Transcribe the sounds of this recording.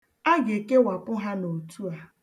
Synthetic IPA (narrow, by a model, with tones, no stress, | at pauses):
a˦ɡe˨ke˦wa˨kʊ˦ɦa˦no˨tu˦a˦